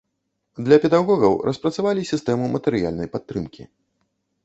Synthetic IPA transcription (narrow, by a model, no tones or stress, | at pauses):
d̪lʲɐpʲɛd̪aɣɔɣɐwɾʔɐspɾɐt̪savalʲisʲist̪ɛmumɐt̪ɛɾɨja̰lʲnɐjpat̪ːɾɨmkʲḭ